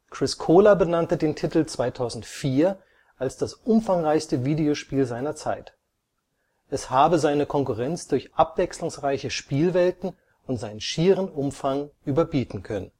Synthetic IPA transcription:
kʁ̥ɪskʰoːlɐbənantədeːntʰɪtl̩t͡sv̥aɪtʰaʊzn̩tfiːɐ | ʔalsd̥asʔʊmfaŋʁaɪçstəviːdeoʃpiːlzaɪnɐt͡sa̰ɪt | ʔɛshaːbəzaɪnəkʰɔŋkʊʁɛnt͡sd̥ʊɐçʔapv̥ɛkslʊŋsʁaɪçəʃpiːlvɛltn̩ | ʊntz̥aɪnənʃiːʁənʊmfaŋʔyːbɐbiːtn̩kʰœnən

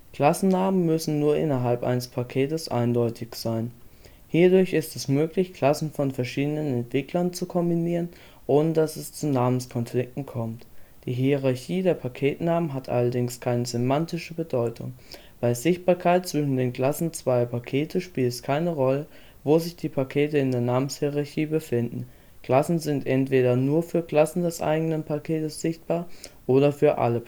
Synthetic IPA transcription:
kl̥asn̩naːmənmʏsn̩nuːɐʔɪnɐɦalpʔa̰ɪnəspʰakʰeːtəsʔa̰ɪndɔʏtʰɪçz̥aɪn | hiːɐdʊɐçɪstɛsmøːklɪçkl̥asn̩fɔnfɛɐʃiːdənənɛntv̥ɪklɐnt͡sukʰɔmbiniːʁ̞ən | ʔoːnədasɛst͡sunaːmənskʰɔnflɪk̚tn̩kʰɔmtd̥iːɦiəʁaɐçiːdeːɐpʰakʰeːtnaːmənɦatʔa̰lɐdɪŋskʰaɪnəzʏmantɪʃəbədɔʏtʰʊ̰ŋ | b̥aɪzɪçt̚b̥aːɐkʰaɪt̚t͡sv̥ɪʃn̩deːnɡlasn̩t͡sv̥aɪɐpʰakʰeːtʰəʃpiːltɛskʰaɪnəʁɔlə | voːzɪçd̥iːpʰakʰeːtəɪndeːɐnaːmənshiʁaɐçiːbəfɪndn̩ | ɡ̥lasn̩zɪntʔɛntv̥eːɾɐnuːɐfyːɐɡlasn̩dɛsʔa̰ɪɡənənpʰakʰeːtəsz̥ɪçt̚b̥aːɐʔoːɾɐfyːɐʔa̰lə

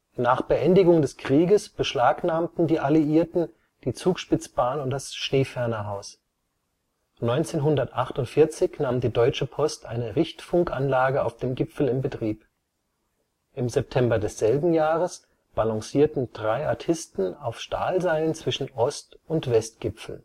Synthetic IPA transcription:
naːχb̥əʔɛndɪɡʊŋdɛskʁ̥iːɡəsb̥əʃlaːknaːmtn̩diːʔaliiːɐtn̩ | d̥iːt͡suːkʃpɪt͡sb̥aːnʊnt̚d̥asʃneːfɛɐnɐɦaʊs | nɔʏnt͡seːnɦʊndɐtʔaχtʊntfɪɐt͡sɪçnaːmdiːdɔʏt͡ʃəpʰɔstʔa̰ɪnəʁɪçtfʊŋkʔa̰nlaːɡəaʊfd̥eːmɡɪpfl̩ɪmbətʁ̥iːp | ʔɪmzɛp̚tʰɛmbɐdɛsz̥ɛlbm̩jaːʁəs | b̥alɔŋsiːɐtn̩d̥ʁaɪaɐtʰɪstn̩aʊfʃta̰ːlzaɪlənt͡sv̥ɪʃn̩ʔɔstʊntv̥ɛstɡ̥ɪpfl̩

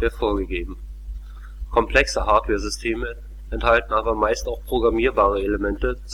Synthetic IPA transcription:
eːɐfoːɐɡəɡeːbm̩ | kʰɔmpl̥ɛksəhaːɐtwɛːɐzʏstʰeːmə | ʔɛnthaltn̩ʔaːbɐmaɪstaʊxpʁ̥oɡʁamiːɐbaːʁ̞əeləmɛntət͡s

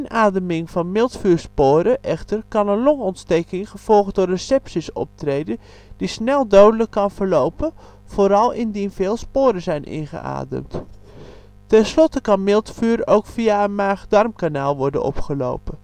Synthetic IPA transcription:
ɪnaːdəmɪŋvɑnmɪlˠtfyːɹspoːɾəʔɛxtərkɑnənlɔŋɔntstejkɪŋχəv̥ɔlˠχdʊrəsɛpsisɔ̰p̚trejdən | d̥isnɛlˠdowdələkːɑnvəɹlowpə | foɾɑlˠɪndinvɪːlˠspoːɾəzɛjnʔɪ̰nχə̰ʔa̰ːdə̰mt | tɛnslɔtəkɑnmɪlˠtfyːɾowkfiaənmaːχdɑrmkanaːlˠʋɔɹdə̰nɔ̰pχəlo̰wpən

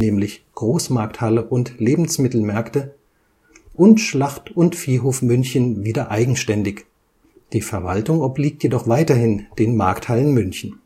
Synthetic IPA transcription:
nɛːmlɪçɡ̥ʁoːsmaɐk̚thaləʔʊntleːbm̩smɪtl̩mɛɐktə | ʔʊntʃlaχtʊntfiːɦoːfmʏnçən̩viːdɐʔaɪɡŋ̩ʃtɛndɪç | d̥iːfɛɐva̰ltʊŋɔbliːk̚tjedɔχv̥aɪtɐhɪnd̥eːnma̰ɐkthalənmʏnçn̩

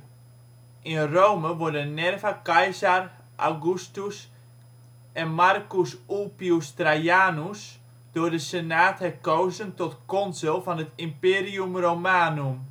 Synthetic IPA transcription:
ʔinrowməʋɔrdənɛrvakajsar | ʔa̰ɡustus | ɛnmarkusulpiustrajaːnus | d̥ʊːdəsenaːthɛkoːwzəntɔtkɔnzɪlˠfɔnətimpeːriumromaːnum

